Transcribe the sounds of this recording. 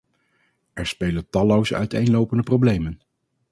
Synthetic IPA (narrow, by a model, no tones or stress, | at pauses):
ʔɛɹspejləntɑlowsœ̰ɥtejnlowpəndəprowblejmən